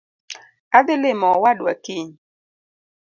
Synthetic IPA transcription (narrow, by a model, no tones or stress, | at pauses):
adɪlɪmɔwadwa̰kiɲ